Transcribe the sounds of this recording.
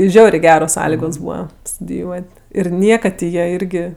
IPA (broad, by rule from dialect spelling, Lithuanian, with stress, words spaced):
ˈʒʲɛʊrʲeː ˈɡʲæːroːs ˈsɑːlʲɪɡoːs ˈbuːʋɐ stʊdʲɪˈjuɔtʲ ɪr ˈnʲiɛkɐt tʲɪ ˈjiɛ ˈɪrʲɡʲɪ